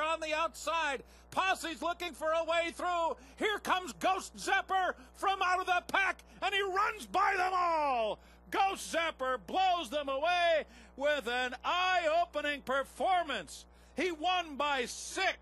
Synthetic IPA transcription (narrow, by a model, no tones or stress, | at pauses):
ə̃nðiaʊtsaɪd̚ | pʰɑsizlʊkɪ̃ŋfə˞əweɪθɹu | hiɹkʰʌ̃mzɡoʊstz̥ɛpə˞fɹʌ̃maʊɾʌvðəpʰæk | ɨ̃niɹʌ̃nzbaɪðə̃mɔlˠ | ɡoʊstz̥ɛpə˞bloʊzðə̃məweɪ | wɪðɨ̃naɪoʊpənɪ̃ŋpʰə˞fɔɹmɨ̃ns | hiwʌ̃nbaɪsɪk